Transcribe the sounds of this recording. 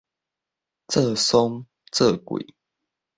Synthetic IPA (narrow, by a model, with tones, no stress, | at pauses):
t͡sə˥˨so˦ŋ | t͡sə˥˨kwḭ˨˩˦